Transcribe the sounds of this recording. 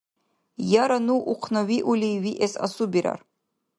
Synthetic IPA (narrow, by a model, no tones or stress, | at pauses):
jaɾanuʔuqʰnawiʔulʲiwiʔesa̰subiɾa̰r